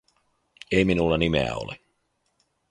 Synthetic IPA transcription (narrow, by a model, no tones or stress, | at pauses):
eiminulːɑnimḛæ̰o̰le